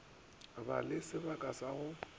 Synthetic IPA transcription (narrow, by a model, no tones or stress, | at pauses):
ba̰lɪsɪbakʼasaɣʊ